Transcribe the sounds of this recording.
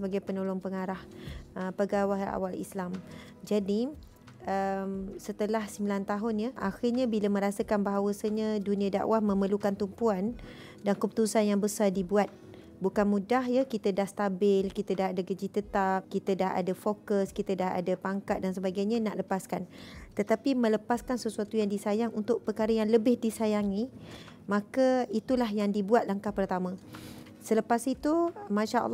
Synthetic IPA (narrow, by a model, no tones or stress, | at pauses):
səbaɡajpənolɔŋpəŋaɾahəpəɡawaɦa̰walḭslam | d͡ʒadi | əmsət̪əlahsəmbilant̪aɦʊnjaʔa̰xɪrɲãbiləmə̃ɾasəkanbaɦawəsaɲãdunĩada̰ʔwahmə̃məlukant̪umpuan | dankəpu̥t̪usanjaŋbəsardibuat̪̚ | bukanmudaɦjakit̪ədahst̪abɪlkit̪ədaɦadaɡəd͡ʒit̪ət̪ap̚kit̪ədaɦa̰dafokəskit̪ədaha̰dapaŋkat̪̚dans̬əbaɡajɲãnaʔləpaskant̪ət̪apimə̃ləpaskansəsuat̪ujaŋdisajaŋunt̪ʊʔ̚pəkaɾəjaŋləbɪhdisajaŋi | mãkait̪ulaɦjaŋdibuat̪̚laŋkahpərt̪amã | sələpasit̪umãʃaʔɑ̰lː